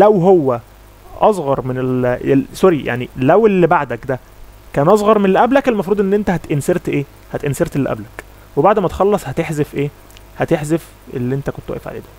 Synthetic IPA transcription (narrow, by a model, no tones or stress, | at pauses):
læwɦowːæ | ʔɑsˤɣɑɾˤmenelsoɾijʔa̰ʕnilæwelːibaʕd̪ækd̪æ | kæːnʔɑs̬ˤɣɑɾˤmenelʔæblækelmɑfɾuːd̪ˤʔenːʔent̪æhæt̪ʔenseɾt̪ʔeː | hæt̪ʔenseɾt̪elːʔæ̰blæk | webaʕd̪mæt̪e̥xɑlːɑsˤhæt̪eħzefʔeː | hæt̪eħzef | ʔḛlːiʔent̪ækont̪wæ̰ʔḛfʕa̰ḛːd̪æ